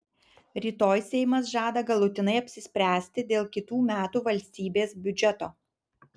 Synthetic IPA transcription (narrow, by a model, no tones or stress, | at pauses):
ɾʲiːt̪oːjsʲɛɪmɐs̬ʒɑːd̪ɐɡɐlˠʊt̪ʲɪnɐɪɐpʲsʲɪsʲpʲɾʲæːsʲt̪ʲɪd̪ʲeːlˠkʲɪt̪uːmʲæːt̪uːʋɐlʲsʲt̪ʲiːbʲeːsbʲʊd͡ʒʲɛt̪oː